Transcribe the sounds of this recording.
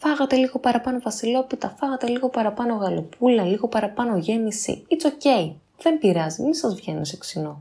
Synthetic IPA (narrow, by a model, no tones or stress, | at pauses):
fɐɣɐt̪e̞liɣo̞pɐɾɐpɐno̞vɐsilo̞pit̪ɐfɐɣɐt̪e̞liɣo̞pɐɾɐpɐno̞ɣɐlo̞pulɐliɣo̞pɐɾɐpɐno̞ʝe̞misḭit͡so̞ce̞i | ðe̞mbiɾɐzimisɐzvʝe̞nḭseksino